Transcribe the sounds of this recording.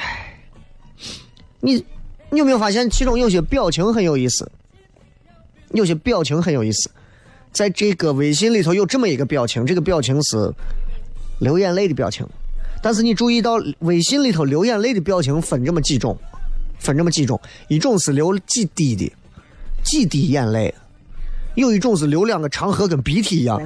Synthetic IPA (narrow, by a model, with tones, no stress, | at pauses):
ni˨˩˧me˥jfa˥˩ɕjɛ˥˩nt͡ɕʰi˧˥ʈ͡ʂʊ˥˧ŋjo˥˩ʊɕɥɛ˧˩pjɑ˥˩ʊt͡ɕʰi˧˥ŋxə˧˥njo˨˩ʊi˥˩sɹ̩̰˨˩ | jo˥˩ʊɕɥɛ˧˥pjɑ˥˩ʊt͡ɕʰi˧˥ŋxə˧˥njo˨˩ʊi˥˩sɹ̩̥˨˩˦ | t͡sa˥˧ɪʈ͡ʂɤ˥˩ɡə˩we˧˥ɪɕ̬i˥nli˥˨˩t̪ʰo˧˥ʊjo˥˧ʊʈ͡ʂɤ˥˩mə˩i˧˥ɡə˧pjɑ˥˩ʊt͡ɕʰi˧˥ŋʈ͡ʂɤ˥˩ɡə˩pjɑ˥˩ʊt͡ɕʰi˧˥ŋsɹ̩˧˥ | ljo˧˥ʊjɛ˥˧nle˥˩ɪd̪i˩pjɑ˥˩ʊt͡ɕʰḭ˧˥ŋt̪a˥˧nʂʰɹ̩˥˩ni˨˩ʈ͡ʂu˥˧i˥˧t̪ɑ˥˩ʊwe˧˥ɪɕi˥nli˥˩t̪ʰo˧˥ʊljo˧˥ʊjɛ˥˧nle˥˩ɪd̪i˩pjɑ˥˩ʊt͡ɕʰi˧˥ŋfə˨˩nʈ͡ʂə˥˩mə˩t͡ɕi˥˧ʈ͡ʂʊ̰˥˩ŋfə˨˩nʈ͡ʂɤ˥˩mə˧t͡ɕi˥˧ʈ͡ʂʊ̰˥˩ŋi˨˩ʈ͡ʂʊ˥˩ŋsɹ̩˨˩ljo˧˥ʊt͡ɕi˥˧t̪i˥˩d̪ḭ˨˩ | t͡ɕi˥˧t̪i˨˩jɛ˥˧nle˥˩ɪ | jo˥˧ʊi˨˩ʈ͡ʂʊ˥˩˧ŋt͡ss̬ɹ̩˨˩ljo˧˥ʊljɑ˨˩ŋɡə˦ʈ͡ʂʰɑ˧˥ŋxɤ˧˥kə˨˩npi˧˥t̪ʰi˨˩i˧˥jɑ̰˥˩ŋ